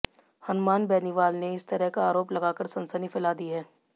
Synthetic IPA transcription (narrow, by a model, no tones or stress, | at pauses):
hɐnmaːnbɛːniʋaːlneɪst̪ɐɾəɦkaaːɾoːplɐɡaːkəɾsɐ̃nsənifɪlaːd̪iɦɛː